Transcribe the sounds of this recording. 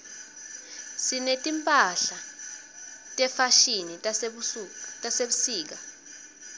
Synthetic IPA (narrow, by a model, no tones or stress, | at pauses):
sinetʼimpʼaɬa | tʼɛfaʃini | tʼaseɓusiːk̬a